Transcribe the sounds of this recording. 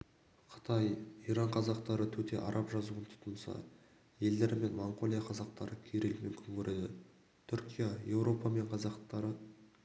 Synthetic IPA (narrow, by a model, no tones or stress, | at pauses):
qʰə̥t̪ʰɑjiɾɑɴqʰɑzɑqt̪ɑɾət̪ʰɵt̪ʰe̞̰ʔɑ̰ɾʔɑpʒɑzuənt̪ʰʊ̥t̪ənsɑ̰ | je̞ld̪e̞ɾɪme̞nmoɴqo̞lʲˠijaqʰɑzɑqt̪ɑɾəkʲʰeɾelmʏmkʲɪŋkʲʰɵɾʔe̞d̪ɪ | t̪ʰʏɾkʲijaje̞wɾo̞pɑme̞ɴqʰɑzɑqt̪ɑɾə